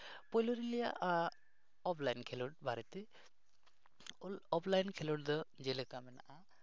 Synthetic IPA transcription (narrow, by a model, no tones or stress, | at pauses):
pɔjluɾilɛja̰ʔa | ɔpʰlajnkʰɛlɔʈ̚bʱaɾɛt̪ɛ | ɔpʰlajnkʰɛlɔʈd̪ɔd͡ʒelɛkamɛna̰ʔa